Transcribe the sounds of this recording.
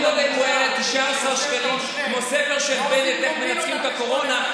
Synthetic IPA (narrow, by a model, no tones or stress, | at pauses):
nod̪emuelet̪iʃaasaʁʃkalim | kmosefeʁʃelbenet̪eχmenat͡sχimt̪ako̞ʁo̞na